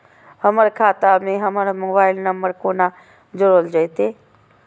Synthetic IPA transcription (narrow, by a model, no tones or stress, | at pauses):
həməɾkʰaːt̪amẽɦəməɾmoːbaːɪlnəmbəɾkoːna | d͡ʒəɾoːld͡ʒəjt̪eː